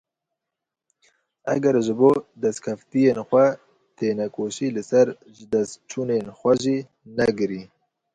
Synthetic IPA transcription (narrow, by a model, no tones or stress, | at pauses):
ɐ̰ɡɛɾʒɨboːd̪ɐskʰɐft̪ijeːnxʷɛ | t̪ʰeːnɛkoːʃiːlɨsɐɾ | ʒɨd̪ɛst̪t͡ʃʰuːneːnxʷɛʒiː | nɛɡɨɾiː